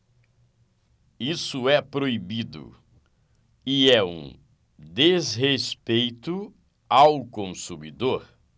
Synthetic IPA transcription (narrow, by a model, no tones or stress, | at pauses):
isʊɛpɾoibid̪ʊ̰ | ɪɛṵ̃ | d̪ezɦespejt̪ʊ | awkõsumid̪oɾ